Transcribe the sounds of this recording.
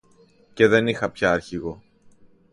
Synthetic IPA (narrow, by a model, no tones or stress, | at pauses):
ce̞ðe̞nixɐpçɐːɾçiɣo̞